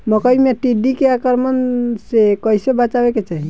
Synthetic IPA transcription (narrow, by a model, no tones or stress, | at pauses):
məkəimeʈiɖikeakəɾmənsekəjsebat͡ʃabeket͡ʃaɦi